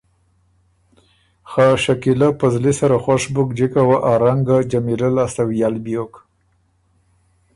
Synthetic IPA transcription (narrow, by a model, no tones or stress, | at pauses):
xaʃakilapəzlisaɾaxwaʂbʊkd͡ʒikawaʔaɾaŋɡad͡ʒamiɾəlast̪awjalbijok